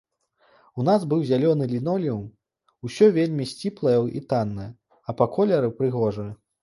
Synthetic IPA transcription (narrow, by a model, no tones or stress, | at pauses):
unazbɨwzʲalʲɔnɨlʲinɔlʲjɐw | usʲɔvʲelʲmʲisʲt͡sʲiplˠɐjɐḭt̪anːɐjɐ | ɐpɐkɔlʲɛɾɨpɾɨɣɔʐɨjɐ